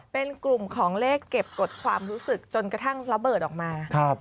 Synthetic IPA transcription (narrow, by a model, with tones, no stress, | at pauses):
pe˧nklu˨˩mkʰɔː˩˦ŋleː˥˩kːe˨˩p̚ko˨˩t̪̚kʰwa̰ː˧mɾuː˦˥sɯ˨˩k̚t͡ɕo˧nkɾa˧t̪ʰa˦˥˩ŋɾa˧bɤː˨˩t̪̚ʔɔː˨˩k̚maː˧kʰɾa˦˥˩p̚